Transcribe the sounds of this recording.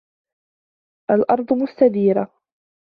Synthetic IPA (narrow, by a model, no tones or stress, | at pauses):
ʔalʔɑɾˤd̪ˤmʊst̪ad̪iːɾa